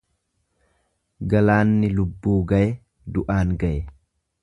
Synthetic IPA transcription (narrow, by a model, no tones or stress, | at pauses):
ɡɐlaːnːɪlʊbːuːɡɐʔɛ | d̪ʊʔaːŋɡɐʔɛ